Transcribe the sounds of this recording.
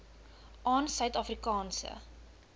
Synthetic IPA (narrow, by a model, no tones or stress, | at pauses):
ʔɑːnsœɥtɑfrikɑːnsə̰